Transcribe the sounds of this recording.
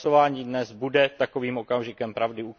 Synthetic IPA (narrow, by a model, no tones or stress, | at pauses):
ovaːɲiːdnɛzbudɛt̪ako̞viːmʔo̞kamʒɪkɛmpɾavdɪu